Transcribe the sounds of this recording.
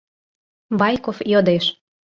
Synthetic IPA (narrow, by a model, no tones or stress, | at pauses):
βɑjkofjod̪eʃ